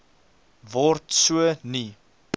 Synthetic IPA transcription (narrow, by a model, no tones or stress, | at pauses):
vɔrtsuəni